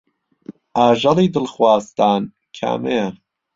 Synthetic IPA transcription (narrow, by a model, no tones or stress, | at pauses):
ʔaːʒɑliːd̪ɨlxwaːst̪aːn | kʰa̰ːmeja